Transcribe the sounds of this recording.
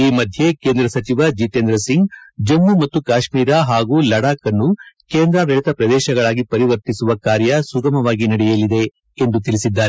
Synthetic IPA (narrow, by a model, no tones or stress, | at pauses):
iːmɐd̪ʱje̞keːnd̪ɾɐsɐt͡ʃiʋɐd͡ʒiʈeːnd̪ɾɐsiŋɡd͡ʒɐmːumɐt̪ːukaːʃmiːɾaɦaːɡuːlɐɽaːkɐnːukeːnd̪ɾɐʋɐɭit̪ɐpɾɐd̪ɛːʃɐɡɐɭaːɡipɐɾiʋɐɾt̪isuʋɐkaːɾjɐsuɡɐmɐʋaːɡinɐɽɛjɐlid̪e̞ː | nd̪ut̪iɭisid̪ːaːɾe